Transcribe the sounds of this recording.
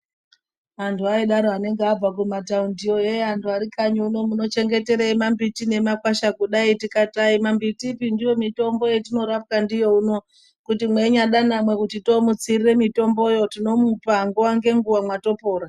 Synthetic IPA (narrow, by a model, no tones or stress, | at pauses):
antʰuaiɗaɾoane̞ŋɡeab͡vak̬umataundijo̞eantʰuaɾikaɲuuno̞muno̞t͡ʃe̞ŋɡe̞te̞ɾeimambitine̞makwaʃakuɗaitikataimambitipindijo̞mito̞mbo̞jetino̞ɾap̚kandijo̞uno̞ | kutimwe̞ɲaɗanamwe̞kutito̞mut͡sirire̞mito̞mbo̞jo̞tino̞mupaŋɡuwaŋɡe̞ŋɡuwamwato̞po̞ːɾa